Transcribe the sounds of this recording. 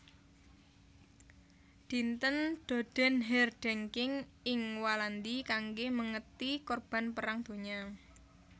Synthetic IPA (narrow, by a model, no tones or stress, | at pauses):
d̪̥int̪ənd̪̥o̤d̪̥ɛ̤nɦɛrɖ̥ɛŋkɪŋ | ɪŋwaland̪ikaŋɡeməŋət̪ikɔrb̥a̤npəɾaŋd̪̥o̤ɲa